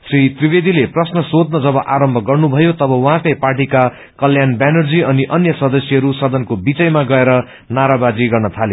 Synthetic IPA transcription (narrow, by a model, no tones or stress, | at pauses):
srit̪ribed̪ileprʌsnʌsod̪nʌd͡zʌbʌʔaɾʌmbʱʌɡʌrnubʱʌjot̪ʌbʌwʌɦãkʌjparʈika | kʌljanbanʌrd͡ziʌniʔʌnjʌsʌd̪ʌsjʌɦʌɾusʌd̪ʌnkobit͡sʌjmaɡʌeɾʌ | naɾabad͡ziɡʌrnʌt̪ʰale